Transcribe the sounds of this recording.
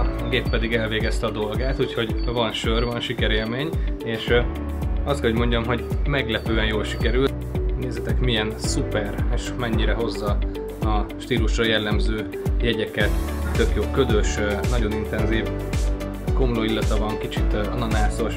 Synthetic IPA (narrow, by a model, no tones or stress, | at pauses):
ɡeːpːɛd̪iɡɛlveːɡɛst̪ɛɒd̪o̞lɡaːt̪ucho̞ɟvɒnʃørvɒnʃikɛɾeːlmeːɲeːʃ | ɒst̪kɛɦoɟmo̞ɲɟɒmɦo̞ɟmɛɡlɛpøːɛnjoːlʃi̥kɛɾylt̪ | neːzɛt̪ɛkmiɛnsupɛreːʃmɛɲːiɾɛɦo̞zːɒ | ɒʃt̪iːluʃrɒjɛlːɛmzøː | jɛɟɛkɛt̪ːø̞kjoːlkød̪ø̞ʃnɒɟo̞nint̪ɛnziːv | ɡomuloːilːɒt̪ɒvɒŋkit͡ʃit̪ɒnɒnaːzo̞ʃ